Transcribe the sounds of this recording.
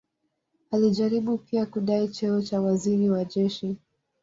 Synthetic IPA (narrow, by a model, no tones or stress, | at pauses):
aliʄaɾiɓupiakuɗait͡ʃɛɔt͡ʃawaziɾiwaʄɛʃi